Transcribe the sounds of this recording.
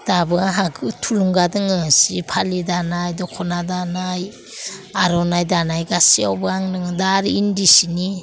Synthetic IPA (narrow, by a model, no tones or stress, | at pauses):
d̥abɯaɦaɡɯtʰuluŋɡadɯŋɯsipʰalidanajdɔkʰɔnadanaj | aɾɔnajdanajɡasiawbɯaŋdɯŋɯdaɾindisini